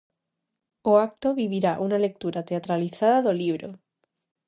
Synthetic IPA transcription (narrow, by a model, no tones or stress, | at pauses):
oak̚t̪oβiβiɾaʔunale̞k̚t̪uɾat̪e̞at̪ɾaliθaðaðoliβ̞ɾo